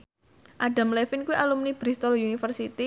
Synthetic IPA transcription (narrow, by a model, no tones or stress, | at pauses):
ʔaɖa̤mlefinkuwiʔalumnib̥ɾist̪ɔlunifərsit̪i